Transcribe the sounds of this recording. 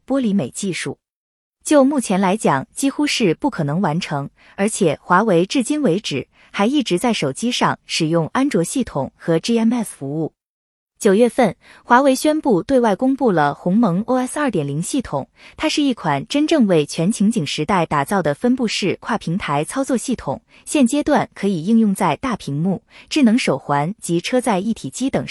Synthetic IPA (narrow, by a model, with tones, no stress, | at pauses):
pwɔ˥li˧˥me˨˩ɪt͡ɕi˥˧ʂṵ˥˩ | t͡ɕjo˥˧ʊmu˥˩t͡ɕʰjɛ˧˥nla˧˥ɪt͡ɕjɑ˨˩ŋt͡ɕi˥xu˥ʂɻ̩˥˧pu˥˩kʰɤ˨˩nɤ˧˥ŋwa˧˥nʈ͡ʂʰɤ˧˥ŋ | ə˞˧˥t͡ɕʰjɛ˨˩xwa˧˥we˧˥ɪʈ͡ʂɻ̩˥˩t͡ɕi˥nwe˧˥ɪʈ͡ʂɻ̩˨˩ | xa˧˥ɪi˥˩ʈ͡ʂɻ̩˧˥t͡sa˥˩ɪʂo˨˩ʊt͡ɕi˥ʂɑ˥˩ŋʂɻ̩˨˩jʊ˥˩ŋa˥nʈ͡ʂwɔ˧˥ɕi˥˩t̪ʰʊ˨˩˦ŋxɤ˧˥ʈ͡ʂi˥ɛ˥nɛ˥˩ffu˧˥u˥˩ | t͡ɕjo˨˩ʊɥɛ˥˧fə˥˩nxwa˧˥we˧˥ɪɕɥɛ˥npu˥˧t̪we˥˧ɪwa˥˩ɪkʊ˥ŋpu˥˩lə˩xʊ˧˥ŋmɤ˧˥ŋo˥ɛ˥sɐ˞˥˩t̪jɛ˨˩nli˧˥ŋɕi˥˩t̪ʰʊ̰˨˩˦ŋt̪ʰa˥ʂɻ̩˥˧i˥˩kʰwa˨˩nʈ͡ʂə˥nʈ͡ʂɤ˥˧ŋwe˥˩ɪt͡ɕʰɥɛ˧˥nt͡ɕʰi˧˥ŋt͡ɕi˨˩ŋʂɻ̩˧˥t̪a˥˩ɪt̪a˨˩t͡sɑ˥˩ʊd̪ə˩fə˥npu˥˧ʂɻ̩˥˩kʰwa˥˩pʰi˧˥ŋt̪ʰa˧˥ɪt͡sʰɑ˥ʊt͡swɔ˥˧ɕi˥˩t̪ʰʊ̰˨˩ŋ | ɕjɛ˥˩nt͡ɕjɛ˥t̪wa˥˩nkʰɤ˧˥i˨˩i˥˧ŋjʊ˥˧ŋt͡sa˥˧ɪt̪a˥˩pʰi˧˥ŋmu˥˩ʈ͡ʂɻ̩˥˩nɤ˧˥ŋʂo˨˩ʊxwa˧˥nt͡ɕi˧˥ʈ͡ʂʰɤ˥t͡sa˥˧ɪi˥˩t̪ʰi˨˩t͡ɕi˥t̪ɤ˨˩ŋ